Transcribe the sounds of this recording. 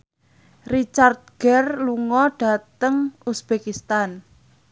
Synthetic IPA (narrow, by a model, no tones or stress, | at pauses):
rit͡ʃart̪̚ɡ̥ɛrluŋɔɖ̥a̤t̪əŋusb̥ekist̪an